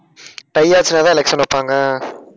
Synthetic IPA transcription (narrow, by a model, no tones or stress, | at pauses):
ʈɐjːaːt͡ʃɪnaːt̪ãːɪlɛkʂɐnʊpːaːŋɡɐ